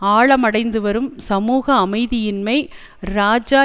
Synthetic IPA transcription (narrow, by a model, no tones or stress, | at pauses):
aːɭɐmɐɽɐɪnd̪ɯʋɐɾɯmsɐmuːɣɐːmɐɪðɪjɪnmɐɪ | ɾaːd͡ʒaː